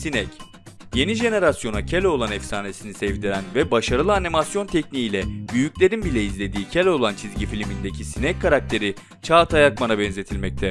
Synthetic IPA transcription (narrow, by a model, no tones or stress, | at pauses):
sinɛc | je̞niʒe̞ne̞ɾasjo̞nacʰelʲo̞lˠanɛfsaːne̞sinisɛvd̪iɾænvɛbaʃaɾɯlˠɯanimasjo̞nt̪ʰɛcniilʲɛbyjyclʲe̞ɾinbilʲɛizlʲe̞d̪iːcʰelʲolˠant͡ʃʰizɟifilʲmind̪e̞cʰisinɛkʰːaɾak̚t̪ʰe̞ɾi | t͡ʃʰaːt̪ʰajakmanabɛnze̞t̪ʰilʲmɛc̚t̪ʰɛ